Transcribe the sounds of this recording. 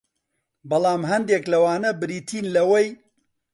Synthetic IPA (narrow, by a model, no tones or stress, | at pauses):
bɐlˠaːmɦɐnd̪eːklɐwaːnɐbɾiːt̪ʰiːnlɐwɐj